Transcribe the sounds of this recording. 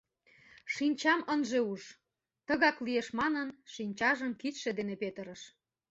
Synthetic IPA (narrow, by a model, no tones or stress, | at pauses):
ʃinʲt͡ɕɑmənʒeuʃ | t̪əɣɑklijeʃmɑnənʃinʲt͡ɕɑʒəmkit̪ʃed̪enepet̪əɾəʃ